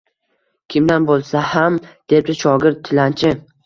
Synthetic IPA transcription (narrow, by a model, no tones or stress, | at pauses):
kʲʰɪmd̪anbolˠsahamd̪̥e̞p̚d̪ɪʃʰɒɡʲɪɾt̪̚ʰːɪlant͡ʃʰɪ